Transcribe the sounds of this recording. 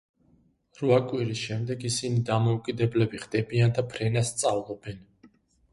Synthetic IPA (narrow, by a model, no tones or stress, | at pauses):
ɾuakʼwiɾisʃɛmd̪ɛɡisinid̪amɔukʼid̪ɛblɛbiʁd̪̥ɛbiand̪apʰɾɛnasːt̪sʼavlˠɔbɛn